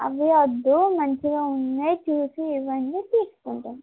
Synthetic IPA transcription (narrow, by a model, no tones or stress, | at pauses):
ɐ̰ʋiɐd̪ːumɐɲt͡ʃiɡaːunːɐjt͡ʃuːsiːʋɐɳɖit̪iːsu̥kuɳʈun